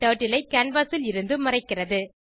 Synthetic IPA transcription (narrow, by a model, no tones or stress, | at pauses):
ʈoːʈːɪlɐɪkɐɳʋɐsɪlɪɾɯnd̪ɯmɐrɐɪkːɪrɐðɯ